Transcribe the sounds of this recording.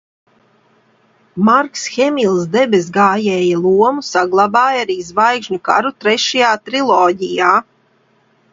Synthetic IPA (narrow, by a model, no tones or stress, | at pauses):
maɾksxɛmilˠsd̪ɛbɛs̬ɡaːjɛːjalˠuɔmusaɡlˠabaːjaɾiːzvajkʒɲuka̰ɾut̪ɾɛʃajaːt̪ɾilˠɔːɟijaː